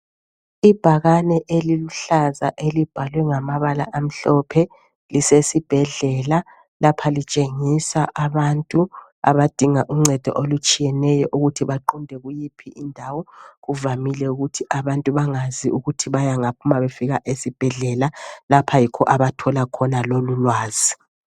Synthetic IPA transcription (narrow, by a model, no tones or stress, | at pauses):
ib̥ʱaɣanɛʔeliluɬazaʔelib̥ʱalwɛŋamaβala̰ʔam̩ɬɔpʰɛ | lisesib̥ʱɛɮɛla | lapʰalit͡ʃʼeŋisaʔaβantʼua̰βad̥ʱiŋaʔuŋ͡ǀɛd̥ʱɔ̰ʔolut͡ʃʼijɛnɛjɔʔuɣutʰiβaǃundʱɛɣujipʰiʔindʱawɔɣuvamilɛuɣutʰiʔaβantʼuβaŋaziuɣutʰiβajaŋapʰumaβefiɣaʔesib̥ʱɛɮɛlalapʰajikʰɔʔaβatʰɔlakʰɔnalolulwaːz̥i